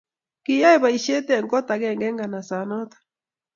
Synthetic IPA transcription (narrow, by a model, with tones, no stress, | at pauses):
ki˨ja˦e˦˨βa˨i˨ʃe˦tɛ˨ŋɡɔ˦ta˨ɣɛ˨ŋɡɛ˦ŋɡa˨na˨sa˨nɔ˦tḁ˨